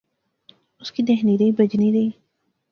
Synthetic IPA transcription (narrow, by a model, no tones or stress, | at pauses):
ʊskid̪eːɦniɾeibɐd͡ʒniɾei